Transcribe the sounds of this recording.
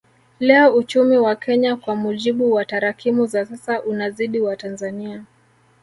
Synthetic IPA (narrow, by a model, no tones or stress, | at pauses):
lɛɔut͡ʃumiwakɛɲakwamuʄiɓuwataɾakimuzasasaʔunaziɗiwatanzania